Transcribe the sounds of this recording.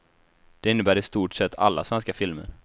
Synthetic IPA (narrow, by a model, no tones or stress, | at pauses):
d̪̥ɛɪnːəbæːɾɪst̪uːʈʂɛt̪ːa̰lːa̰svɛnskafɪlmə̰ɾ